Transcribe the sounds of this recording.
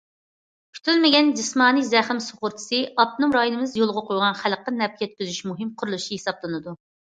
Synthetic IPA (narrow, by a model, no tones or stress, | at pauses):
kʲʰy̥t̪ʰylmɪɡʲɛnd͡ʒismɑːnijzɛχɪmsoʁʊɾt̪ʰɨ̥sɨɑp̪̚nɨmɾɑjunɨmɨzjolˠʁəqʰojʁɑnχælqənɛp̚kʰʲjɛt̪̚kʲyzyʃmuɦɨmqʰʊɾulˠuʃihesɑplˠɨnɨd̪u